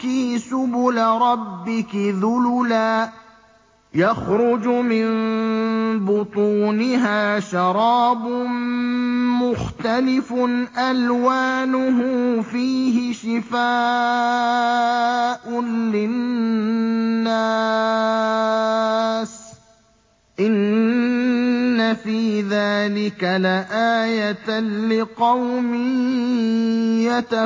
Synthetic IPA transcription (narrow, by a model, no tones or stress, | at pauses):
kiːsʊbʊlɾˤɑbːɪkɪðʊlʊlaː | jaxɾʊd͡ʒmɪn | bʊt̪ˤuːnɪɦaːʃɑɾˤɑːbʊm | mʊxt̪alɪfʊnʔalwaːnʊɦʊːfiːɦɪʃɪfaː | ʔʊlɪn | a | s | ʔɪn | afiːðaːlɪkalaʔaːjat̪lɪqɑwmɪ | jat̪a